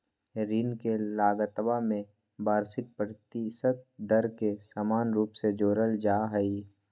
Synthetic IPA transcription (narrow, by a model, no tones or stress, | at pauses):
ɾiːnkelaːɡət̪bamẽ | baːɾsɪk̚pɾət̪isət̪̚d̪əɾkesaːmaːnɾuːpsed͡ʒoːɾəld͡ʒaːɦɛi